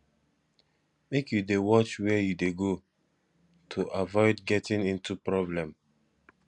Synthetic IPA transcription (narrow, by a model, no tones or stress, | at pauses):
mekjudewɔt͡ʃwɛɛjudeɡo | tʰuʔavɔɪdɡɛtĩŋĩntupɹɔblɛ̃m